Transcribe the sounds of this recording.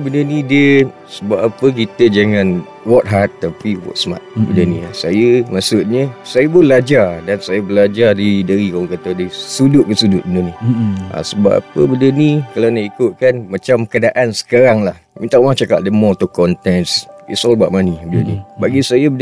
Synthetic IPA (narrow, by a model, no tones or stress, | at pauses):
bəndənidiə | səbapapək̬it̪əd͡ʒaŋãn | wɔt̪̚ɦat̪ːapiwɔ̰t̪sma̰t̪̚bəndəniasajəmaʔsʊt̪̚ɲə̃sajəbəlad͡ʒardansajəbəlad͡ʒardidəɾikawɔŋkat̪adəsudʊʔ̚bəsudʊʔ̪̚bənənia̰səba̰pa̰pəbəndənikalanaikʊt̪̚kanmat͡ʃamkədaʔansə̥kaɾaŋlahmint̪aʔuwaŋt͡ʃakaʔ̚dəmɔt̪ukɔnt̪ɛnsḭsɔlba̰ʔmanibədənḭbaɡisajəbən